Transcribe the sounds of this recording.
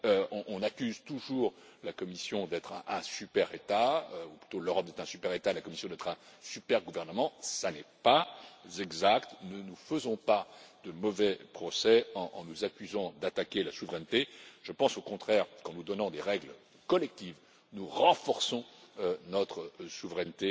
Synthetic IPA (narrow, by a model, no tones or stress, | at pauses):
øɔ̃ʔɔ̃nakʲyzt̪uʒuːʁlakɔmisjɔ̃d̪ɛt̪χɛ̃ʔɛ̃sypɛʁet̪aøuply̥t̪oløʁɔp̚d̪ɛt̪χɛ̃sypɛʁet̪alakɔmisjɔ̃d̪ɛt̪χɛ̃sypɛʁɡuvɛʁnəmɑ̃sanɛpazɛɡzakt̪nənufəzɔ̃pad̪əmɔvɛpχɔsɛɑ̰̃ːnuzakʲyzɑ̃d̪at̪akʲelasuvʁɛnt̪eʒ̥əpɑ̃sokɔ̃t̪χɛʁkɑ̃nud̪ɔnɑ̃d̪eʁɛɡl | kɔlɛk̚t̪iv | nuʁɑ̃fɔʁsɔ̃nɔt̪χəsuvʁɛnt̪e